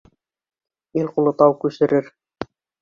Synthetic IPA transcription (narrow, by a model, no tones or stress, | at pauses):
ilqulˠɤ̆t̪ɑwkʉʃɘ̆ɾɘɾ